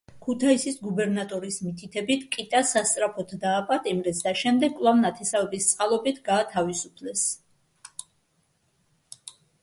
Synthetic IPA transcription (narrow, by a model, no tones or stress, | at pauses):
kʰut̪ʰaisisɡubɛɾnat̪ʼɔɾismit̪ʰit̪ʰɛbit̪ʰkʼit̪ʼasast̪sʼɾapʰɔt̪ʰd̪aːpʼat̪ʼimɾɛsd̪aʃɛmd̪ɛɡkʼlˠavnat̪ʰɛsavɛbist̪sʼqʼalˠɔbit̪ʰɡaːt̪ʰavisupʰlɛs